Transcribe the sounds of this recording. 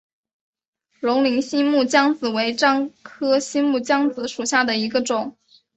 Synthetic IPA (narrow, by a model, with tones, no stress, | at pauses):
lʊ˧˥ŋli˧˥ŋɕi˥nmu˥˩t͡ɕjɑ˥ŋt͡sɹ̩˨˩we˧˥ɪʈ͡ʂɑ˥ŋkʰɤ˥ɕi˥mu˥˩t͡ɕjɑ˥ŋt͡sɹ̩˧˥ʂu˨˩ɕja˥˩d̪ə˩i˧˥ɡə˧ʈ͡ʂʊ˨˩˦ŋ